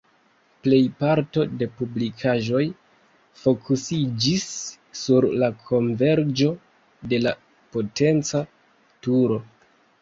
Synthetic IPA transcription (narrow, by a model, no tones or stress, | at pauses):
ple̞jpaɾto̞de̞publikʰaʒo̞j | fo̞kʰusid͡ʒisː | uɾlakʰo̞nve̞ɾd͡ʒo̞ | de̞la | po̞te̞nt͡sa | tuɾo̞